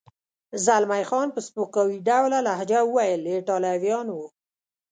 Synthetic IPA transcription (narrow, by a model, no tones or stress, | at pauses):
zalmajxɑnpəspukawiɖawlalahd͡ʒaəwajəleʈɑlawjɑnwu